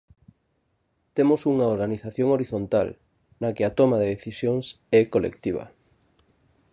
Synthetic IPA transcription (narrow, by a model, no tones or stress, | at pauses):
t̪emosuŋaoɾɣaniθaθjoŋoɾiθont̪a̰l | nɐkɪat̪omaðeðeθisjoŋs | ɛkolʔḛkt̪iβ̞ɐ̰